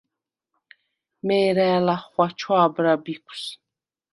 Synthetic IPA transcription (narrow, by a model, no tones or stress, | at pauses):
mɛːɾæːlaχwat͡ʃʰwaːbɾabikʷʰs